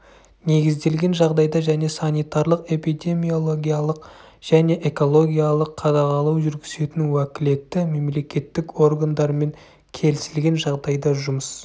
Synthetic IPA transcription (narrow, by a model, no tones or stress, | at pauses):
ne̞ɡʲɪzd̪e̞lɡʲe̞nʒɑʁd̪ɑjd̪ɑʒæne̞sɑnijt̪ɑɾlˠəqe̞pijd̪ʲe̞mijo̞lˠo̞ɡʲijalˠəq | ʒ̥æne̞ʔe̞ko̞lˠo̞ɡʲijalˠəqʰːɑd̪ɑʁɑlˠuwʒʏɾɡʲɪze̞t̪ɪnwækʲɪle̞t̪ːɪme̞mle̞kʲe̞t̪ːɪko̞ɾɡand̪ɑɾme̞ŋ | kʲʰe̞lɪsɪlɡʲe̞nʒɑʁd̪ɑjd̪ɑʒʊməs